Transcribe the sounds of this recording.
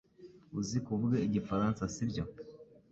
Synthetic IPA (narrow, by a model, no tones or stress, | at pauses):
uzikuβɡeiɟifaɾansasibɟo̞